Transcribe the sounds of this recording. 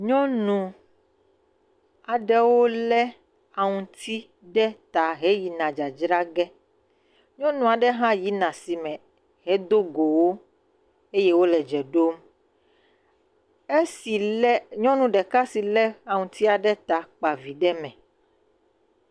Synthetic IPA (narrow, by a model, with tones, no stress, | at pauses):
ɲɔ̃˦nũ˨ | a˨ɖɛ˦wo˦lɛ˦ | a˨ŋũ˨t̪ʰi˦ | ɖɛ˦t̪a˨ɦɛ˨˦ji˨nã˨d͡ʒa˨d͡ʒɾa˦ɡɛ˦ | ɲɔ̃˦nũ˨a˨ɖɛ˦ɦã˦ji˨˦nã˨si˨mɛ̃˨ | ɦɛ˦d̪o˦ɡo˨wo˦ | e˦jɛ˦wo˦lɛ˨d͡ʒɛ˨ɖo˦m | e˦si˨˦ɲɔ̃˦nũ˨ɖɛ˨ka˦si˨lɛ˦a˨ŋũ˨t̪i˦a˨ɖɛ˦t̪a˨k͡pa˨vi˨ɖɛ˦mɛ̃˨